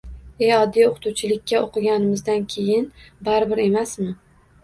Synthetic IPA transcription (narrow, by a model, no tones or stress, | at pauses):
ejɒd̪ːijoqʰɨ̥t̪ʰuwt͡ʃʰɪlɪkʲːaoqʰɨɡʲanɪmɪzd̪ankʲʰejɪnbaɾɪbɪɾe̞masmɪ